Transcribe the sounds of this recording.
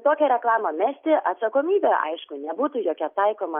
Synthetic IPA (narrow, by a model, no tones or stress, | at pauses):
t̪oːkʲɛɾʲɛklˠɑːmɐmʲæːsʲt̪ʲɪʔɐt̪sɐkoːmʲiːbʲeʔɐ̰ɪʃkʊnʲɛbuːt̪uːjoːkʲɛt̪ɐɪkoːmɐ